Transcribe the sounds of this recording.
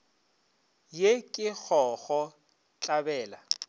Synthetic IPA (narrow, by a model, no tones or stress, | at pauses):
jekʼɪk͡xʰɔɣɔ | t͡ɬʼabɛːla